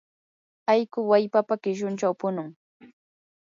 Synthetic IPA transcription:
ajkʊwajpapakɪʃʊnt͡ʃawpʊnʊŋ

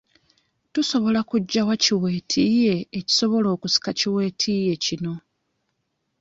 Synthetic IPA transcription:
tuso̞βo̞lakuɟːawaciwe̞ːtʰije̞eci̥so̞βo̞lo̞ːkusi̥kaciwe̞ːtʰije̞cino̞

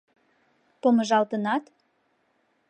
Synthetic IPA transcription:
poməʒɑlt̪ənɑt̪

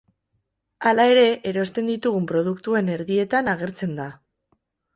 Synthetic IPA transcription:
alae̞ɾe̞ʔeɾo̞st̪e̞nd̪it̪uɣ̞umpɾo̞ðukt̪ue̞ne̞ɾðie̞t̪anaɣ̞e̞ɾt͡se̞nd̪a

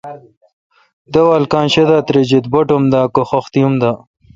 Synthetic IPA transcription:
d̪əwaːlkãːnɕed̪at̪ɾed͡ʑid̪̚boʈomd̪aːkoxoxt̪ijumd̪a

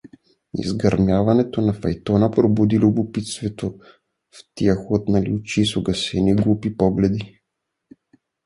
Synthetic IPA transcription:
ḭzɡɐɾmjavɐnɛt̪onɐfɐjt̪ɔnəpɾobud̪ilʲʊbʊpit̪st̪vɛt̪o | ft̪iəxot̪nɐlit͡ʃisoɡɐsɛniɡlˠupipɔɡlɛd̪i

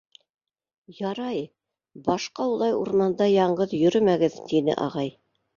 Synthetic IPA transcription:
jɑɾɑj | bɑʃqɑulˠɑjuɾmɑnd̪ɑjɑɴɢɤðjɵ̆ɾɵmæɡɘðt̪inɘ̰ʔɑ̰ʁɑj

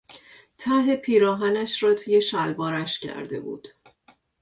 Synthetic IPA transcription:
t̪ʰæɦepʰiːɾɒːɦænæʃrɒːt̪ʰuːje̞ʃælbɒːɾæʃcʰæ̰ɾd̪e̞̰bṵːd̪̥

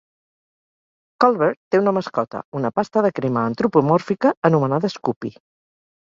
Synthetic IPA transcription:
kɔlˠβeɾt̪ːeunəməskɔt̪ə̰unəpast̪əðəkɾiməːnt̪ɾupumɔɾfikəənumənaðəskupi

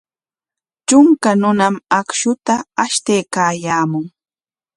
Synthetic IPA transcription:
t͡ʃʊŋkanʊnamakʃʊt̪aːʃt̪ejkaːjaːmʊŋ

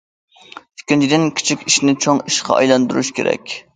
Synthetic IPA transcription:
y̥kʲːint͡ʃʰid̪ɪnkʲʰi̥t͡ʃʰikʲiʃnɪt͡ʃʰoŋiʃqʰɑ̰ɑ̰jlˠɑnd̪uɾuʃkʲʰḛɾɛ̰kʲ

